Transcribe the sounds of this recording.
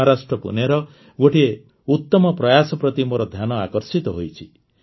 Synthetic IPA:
aɾasʈɾɔpṵneɾɔ | ɡoʈie | ut̪ːɔmɔpɾɔjasɔpɾɔt̪imoɾɔd̪ʱjanɔakɔɾsit̪ɔɦojt͡ʃʰi

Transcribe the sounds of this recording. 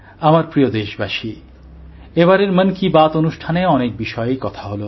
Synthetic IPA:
amaɾpɾiod̪eʃbaʃi | eβaɾeɾmənkibat̪onuʃʈʰaneɔnek̚biʃɔeekɔt̪ʰaɦolo

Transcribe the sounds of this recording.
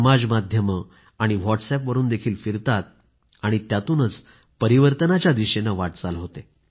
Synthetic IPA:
əmad͡zmad̪ʱjəmə | aɽ̃iʋɔʈsɛpʋəɾuːnd̪ekʰiːlfiɾt̪at̪̚ | aɽ̃it̪jat̪uːnət͡s | pəɾiʋəɾt̪ənat͡ɕjad̪iɕenaʋaʈ̚t͡salɦot̪e

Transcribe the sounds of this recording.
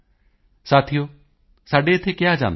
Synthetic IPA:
saːt̪ʰijoː | saːɖeɪt̪ʰːekɪjad͡ʒa̰ːn

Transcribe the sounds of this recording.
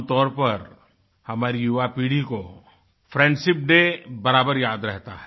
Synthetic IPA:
t̪ɔːɾpɐɾ | hɐmaːɾijʊʋapiːɽ̤iko | pʰɾɛ̃ːɳɖʃɪp̚ɖebɐɾaːbəɾjaːd̪ɾɛɦt̪a̰ɦɛ

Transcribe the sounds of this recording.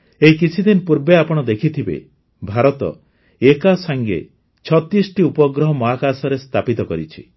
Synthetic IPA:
eikit͡ʃʰid̪inɔpuɾbeapɔɽ̃ɔd̪ekʰit̪ʰibḛ | bʱaɾɔt̪ɔ̰ | ekasaŋɡḛ | t͡ʃʰɔt̪isʈiupɔɡɾɔɦɔmɔakasɔɾest̪ʰapit̪ɔkɔɾit͡ʃʰḭ

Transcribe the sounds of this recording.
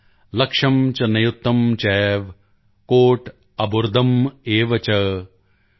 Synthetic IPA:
lɐkʂɐmt͡ʃɐnɐjut̪ːɐmt͡ʃɛːʋ | koːʈ | ɐbuɾd̪ʱɐmeːʋɐt͡ʃɐ

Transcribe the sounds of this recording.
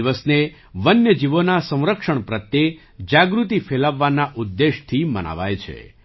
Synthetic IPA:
ʋəsne | ʋənjəd͡ʒiʋonasə̃w̃ɾəkʃəɳpɾət̪je | d͡ʒaɡɾut̪ifelaʋːanaʔud̪ːeʃt̪ʰimə̰na̰ʋa̰jt͡ʃʰḛ

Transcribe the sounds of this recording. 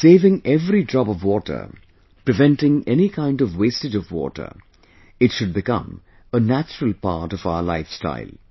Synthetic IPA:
seɪvɪ̃ŋɛvɾidɹɑpʌvwɔʈʰə̰˞ | pɹɨvɛ̃nʈɪ̃ŋɛnikʰãɪ̃ndʌvweɪstɨd͡ʒʌvwɔ̰ʈə̰˞ | ɨtʃʊd̚bɨkʌ̰̃m | ənæt͡ʃəɹəl̩ˠpa̰ɾʈʌvaʊəlaɪfsta̰ɪlˠ

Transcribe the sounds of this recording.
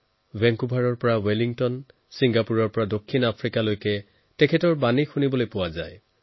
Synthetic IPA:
bɛŋkubʱaɹɔɹpɔɹaweliŋtɔn | siŋɡapuɹɔɹpɔɹadokʰːinapʰɹikalojkɛ | tɛkʰɛtɔɹbanixunibɔlojpʊwazaj

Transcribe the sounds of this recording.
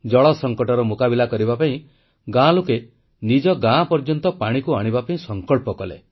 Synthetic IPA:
d͡ʒɔɭɔsɔŋkɔʈɔɾɔmukabilakɔɾibapaĩ | ɡãloke | nid͡ʒɔɡãpɔɾd͡ʒɔnt̪ɔpaɽ̃ikuaɽ̃ibapaĩsɔŋkɔɭpɔkɔlḛ

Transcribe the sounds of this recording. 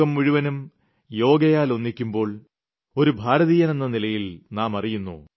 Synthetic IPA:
ɐmʋiɻuʋɐnum | jo̞ːɡɐjaːlo̞nːikʲːumbo̞ːɭ | o̞ɾubʱaːɾɐðiːjɐne̞nːɐnilɐjilnaːmɐrijunːṵ

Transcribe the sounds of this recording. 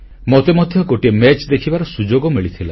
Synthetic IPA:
mɔt̪emɔd̪ʱjɔɡoʈiemet͡ʃd̪ekʰibaɾɔsud͡ʒoɡɔmiɭit̪ʰila

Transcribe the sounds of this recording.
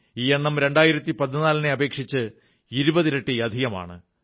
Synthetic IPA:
iːjeɳːɐmɾe̞ɳɖaːjiɾɐt̪ːipɐt̪ːinaːlɐneɐbe̞ːkʂit͡ɕːɨ | iɾubɐðiɾeʈːiɐd̪ʱiɣɐma̰ːɳɨ̰

